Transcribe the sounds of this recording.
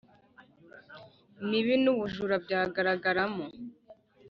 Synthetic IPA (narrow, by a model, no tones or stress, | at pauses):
miβinuβuʒuɾab̚ɟaːɡaɾaɡaɾamo